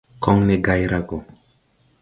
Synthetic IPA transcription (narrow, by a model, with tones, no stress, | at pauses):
kʰɔ˦ŋnɛ˦ɡa˦jɾa˦ko˨